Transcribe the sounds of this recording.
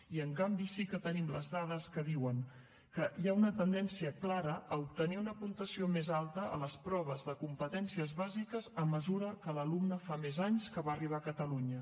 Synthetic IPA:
iəŋkambisikət̪ənimləzðað̞əskəðiwəŋ | kəjaunət̪ənd̪ɛnsiəklaɾəʔəup̚t̪əniunəpunt̪əsiomezalˠt̪əʔə̰ləspɾɔβ̞əzðəkumpət̪ɛnsiəzβazikəzəməzuɾəkələlumnəfamezaɲskəβaəriβ̞akət̪əluɲə

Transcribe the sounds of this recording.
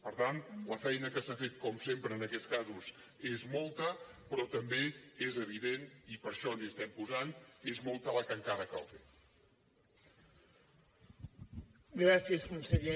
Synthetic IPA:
pəɾt̪ant̪ləfɛjnəkəsafet̪̚kɔmsempɾəːnəkɛt̪t͡skazuz | ezmɔlˠt̪əpɾɔt̪əmbeezəβ̞iðenipəɾʃɔnziəst̪ɛmpuzanezmɔlˠt̪ələkəŋkaðəkə̰lˠfet̪ | ɡɾasiəskumsəʎe

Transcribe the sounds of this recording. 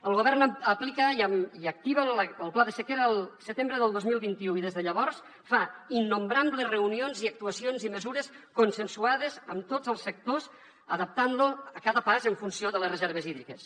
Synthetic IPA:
əlˠɣoβ̞ɛrnəplikəiək̚t̪iβələlˠplaðəsəkeɾəːlˠsət̪embɾəðəlˠd̪ozmilˠβint̪iuiðezðəʎəβɔɾs | fainːumbɾambləzrəunionziək̚t̪uəsionziməzuɾəskunsənsuaðəzəmt̪oəlˠsːək̚t̪oz | əðəp̚t̪anluəkaðəpazəɱfunsioðələsrəzɛɾβ̞əziðɾikəs

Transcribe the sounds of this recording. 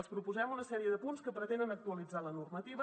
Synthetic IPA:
əlˠspɾupuzɛmunəsɛɾiəðəpunskəpɾət̪end̪ənək̚t̪uəlid͡zalənurmət̪iβə

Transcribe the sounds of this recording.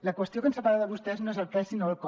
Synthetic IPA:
ləkwəst̪iokənsəpaɾaðəβust̪ɛznoezəlkɛsinoəlˠkɔ

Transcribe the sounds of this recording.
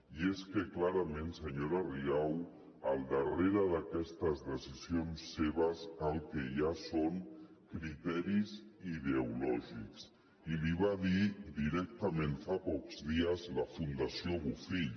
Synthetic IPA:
ieskəklaɾəmẽnsəɲoɾəriaw | əlˠd̪əreɾəðəkɛst̪əzðəsizionsːeβ̞əzəlˠkeʒasoŋ | kɾit̪ɛɾiziðeulɔʒḭks | iliβaðid̪iɾɛk̚t̪əmẽnfapɔkzðiəzləfund̪əsioβufiʎ

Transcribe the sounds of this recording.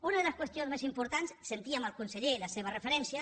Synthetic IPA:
unəðeləskwəst̪ijonzmezimpuɾt̪ansːent̪iəməlˠkunseʎeləseβ̞ərəfəɾɛnsiə

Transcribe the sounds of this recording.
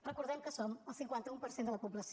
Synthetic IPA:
rəkuɾðɛmkəsoməlˠsiŋkwant̪əumpəɾsend̪ələpubləs

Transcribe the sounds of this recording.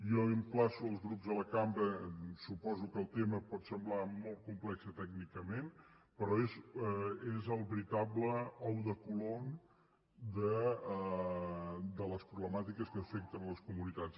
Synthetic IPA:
jɔəmplasuəlˠzɣɾupzðələkambɾəsupɔzukəːlˠt̪eməpɔt̪səmblamolˠt̪̚kumplɛksət̪ɛɡnikəmenpəɾɔez | ezəlˠβəɾit̪abləɔwðəkulon | d̪ə | d̪ələspɾuβləmat̪ikəskəːfɛk̚t̪ənləskumunit̪as

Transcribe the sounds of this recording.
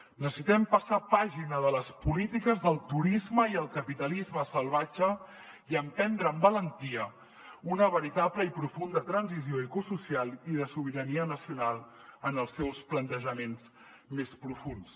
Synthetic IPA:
nəsəsit̪ɛmpəsapaʒinəðələspulit̪ikəzðəlˠt̪uɾizməiəlˠkəpit̪əlizməsəlˠβad͡ʒə | iəmpɛnd̪ɾəːmbələnt̪iə | unəβəɾit̪apləipɾufund̪ət̪ɾənzizioikususialˠiðəsuβ̞iɾəniənəsiunalˠ | ənəlˠsːɛwsplənt̪əʒəmenz | mespɾufuns

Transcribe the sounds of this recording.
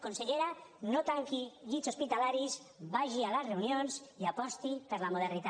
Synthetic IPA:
konseʎeɾanot̪aŋkiʎisospit̪alaɾiz | βaʒialasreunjonsiapɔst̪ipəɾlamoð̞eɾnit̪a

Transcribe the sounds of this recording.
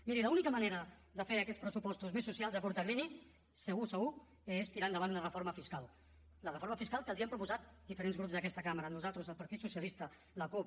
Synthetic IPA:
miɾiləunikəməneɾəðəfeəkɛt̪spɾəsupɔst̪uzmesːusialˠzəkuɾt̪əɾɾini | səɣusəɣu | est̪iɾand̪əβanunərəfoɾməfiskalˠ | lərəfoɾməfiskalˠkəlˠziəmpɾupuzat̪̚d̪ifəɾenzɣɾupzd̪əkɛst̪əkaməɾənuzalˠt̪ɾuzəlˠpəɾt̪it̪susjəlist̪ə | ləkup

